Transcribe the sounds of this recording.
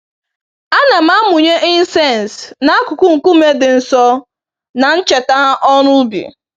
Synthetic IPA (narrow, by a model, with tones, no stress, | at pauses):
a˦na˨m̩˦a˦mʊ˨ɲe˦ʔɪ˦n̩˦sɛ˦˨n˨sna˦a˦kʊ˨kʊ˦ŋ̩˨ku˦me˦dɪ˨n̩˨sɔ˦ | na˨n̩˦t͡ʃe˨ta˦ɦa˦ʔɔ˦nʊ˦bḭ˨